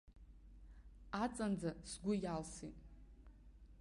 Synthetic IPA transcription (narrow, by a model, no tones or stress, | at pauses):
at͡sʼand͡zasɡʷʊjalsitʼ